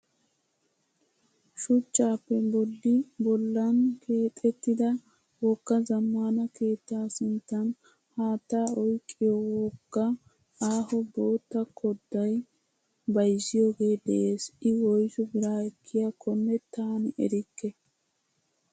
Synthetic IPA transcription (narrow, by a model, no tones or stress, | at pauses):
ʃʊt͡ʃːaːpːɛbɔd̪ːɪbɔlːɐnkʰe̞ːt̪ʼːɛt̪ːɪd̪ɐ | wɔkːɐzɐmːaːnɐke̞ːt̪ːaːsɪnt̪ːɐn | haːt̪ːaːɔjkʼːɪjɔwɔkːɐ | aːhɔbo̞ːt̪ːɐkʰɔd̪ːɐj | bɐjzːɪjo̞ːɡe̞ːd̪ɛʔe̞ːsɪwɔjʃɔbɪɾaːɛkːɪjakʰɔmːɛt̪aːnɪʔɛ̰ɾɪkːɛ